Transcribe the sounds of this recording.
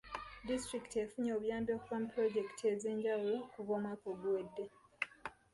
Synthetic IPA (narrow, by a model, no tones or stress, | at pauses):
distɾiktiefuɲoːβjaːmbjokuβamupɾo̞ɟe̞ktieze̞ːɲɟawokuβoːmakoɡwedːe̞